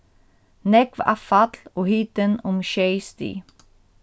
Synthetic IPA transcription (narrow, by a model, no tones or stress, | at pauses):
nɛkʋa̰fɑt̪loːhiːt̪ənʊmʃœɪst̪ḭː